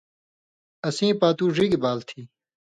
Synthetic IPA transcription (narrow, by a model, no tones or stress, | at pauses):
ɐsĩːpaːt̪uːʐiɡibaːlt̪ʰiː